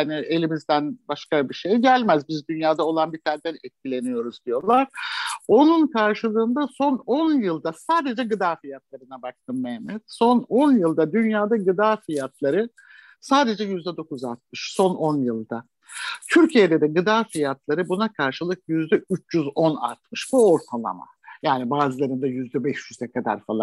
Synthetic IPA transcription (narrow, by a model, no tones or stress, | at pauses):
aniʔe̞lʲimizd̪ænbaʃkabiʃejɟælʲmæzbizd̪ynjaːd̪aolˠanbit̪ʰæɾd̪ænɛt̪̚cilʲe̞nijo̞ɾuzd̪ijo̞lˠaɾ̥o̞nunkʰaɾʃɯlˠɯːnd̪aso̞no̞njɯlˠd̪asaːd̪e̞d͡ʒɛɡɯd̪aːfijat̪̚lˠaɾɯnabak̚t̪ʰɯmːɛhmːɛt̪so̞no̞njɯlˠd̪ad̪ynjaːd̪aɡɯd̪aːfijat̪ʰlˠaɾɯ | saːd̪e̞d͡ʒɛjyzd̪ɛd̪o̞kuzalt̪̚mɯʃso̞no̞njɯlˠd̪a | t̪ʰyɾcʰije̞d̪ed̪ɛɡɯd̪aːfijat̪lˠaɾɯbunakʰaɾʃɯlˠɯk̚jyzd̪ɛyt͡ʃʰjyzo̞na̰lt̪̚mɯʃbuo̞ɾt̪ʰalˠa̰ma̰ | jaːnibaːzɯlˠaɾɯnd̪ajyzd̪ɛbɛʃjyzɛkʰad̪a̰ɾfalˠa